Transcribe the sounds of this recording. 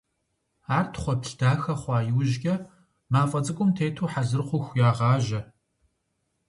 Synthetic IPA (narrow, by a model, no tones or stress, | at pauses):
aːrtʰχʷɔpɬdaːxɐχʷɑːjɪwʒɡʲʼɐ | maːfʼɐt͡sʼɨkʷʼʊmtʰeːtʰoːħazɨrχʷʊxʷjaːʁɑːʒɐ